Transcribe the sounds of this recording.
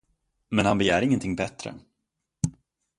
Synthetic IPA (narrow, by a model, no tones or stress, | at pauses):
mɛnhanbɛjæːɾɪŋːənt̪ʰɪŋːbɛt̪ːɾə̰